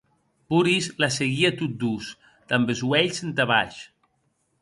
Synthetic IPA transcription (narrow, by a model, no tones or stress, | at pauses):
puɾizlaseɣiat̪ut̪̚d̪us | d̪̥ambezwɛʎsent̪aβa̰ʃ